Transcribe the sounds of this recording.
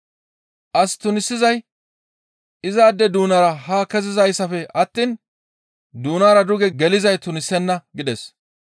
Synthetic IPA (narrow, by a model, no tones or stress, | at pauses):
ʔɐst̪ʊnɪsːɪzɐj | ɪzaːd̪ːɛd̪uːnɐɾɐhaːkɛzɪzɐjsɐfɛʔɐt̪ːiːn | d̪uːnaːɾɐd̪ʊɡɛɡɛlɪzɐjt̪ʊnɪsːɛnːɐɡɪd̪ɛs